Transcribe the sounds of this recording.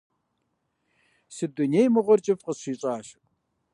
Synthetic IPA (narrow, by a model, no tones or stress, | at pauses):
sɨdʊnejmɨʁʷɔrt͡ʃʼɪfqəɕiːɕʼaːɕ